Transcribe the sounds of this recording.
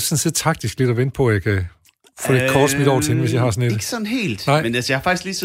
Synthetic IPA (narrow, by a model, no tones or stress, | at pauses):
sɔ̽nse̝ð̰ˠt͡sʰɑ̈ɡ̥̚d̥isɡ̥le̝d̥ɒʋen̰d̥̚pʰɒ̽jɑ̈ɪkʰæ | fɔ̰ːle̝d̥kʰɒːd̥smid̥ɒ̰ːt͡sʰeenəʋesjɑ̈ɪhɑ̈sɒ̽ne̝̥ɡ̥əsɒnhe̝̰ːld̥nɑ̈ɪ̰menælsəjahfɑ̈ɡ̥isɡ̥liːs